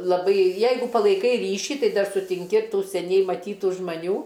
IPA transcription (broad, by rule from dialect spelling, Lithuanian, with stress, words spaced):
lˠɐˈbɐɪ ˈjɛɪɡʊ pɐlˠɐɪˈkɐɪ ˈrʲiːʃʲiː ˈtɐɪ ˈdɐr sʊtʲɪŋʲˈkʲɪ ˈtuː sʲɛˈnʲɛɪ mɐˈtʲiːtuː ʒmɐˈnʲuː